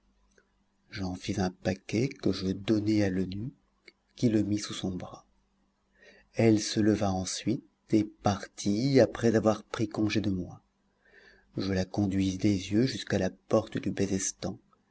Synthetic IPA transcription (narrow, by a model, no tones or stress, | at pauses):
ʒɑ̃fizɛ̃pakʲɛkəʒəd̪ɔnɛalənykːʲ | iləmisusɔ̃bʁa | ɛlsələvaɑ̃sɥit̪ | epaʁt̪ʰiapχɛzavwaʁpχikɔ̃ʒed̪əmwa | ʒəlakɔ̃d̪ɥizd̪ezjøʒyskalapɔʁt̪d̪ybɛzɛst̪ɑ̃